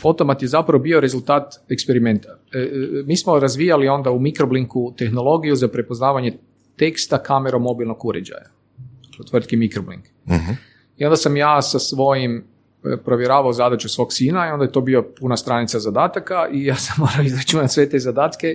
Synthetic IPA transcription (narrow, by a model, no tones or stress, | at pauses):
fo̞t̪o̞mat̪je̞zapɾaʋobio̞ɾe̞zult̪aːt̪ekspeɾime̞nt̪a | miːsmo̞ɾazʋijalio̞nd̪aumikɾobliŋkut̪e̞xno̞lo̞ɡijuzapɾepo̞znaːʋaɲe̞ | t̪e̞kst̪akameɾo̞mo̞bilˠno̞ɡuɾḛd͡ʑa̰ja | aklet̪ʋr̩t̪kimikɾoblḭŋk | io̞nd̪asamjaːsasʋo̞jim | pɾo̞ʋjeɾaːʋaozad̪at͡ʃusʋo̞ksiːnaio̞nd̪ajt̪o̞biopunast̪ɾanit̪sazad̪aːt̪akaʔijaːsamːo̞ːɾaoizɾat͡ʃunat̪ʲsʋet̪ezad̪aːt̪ke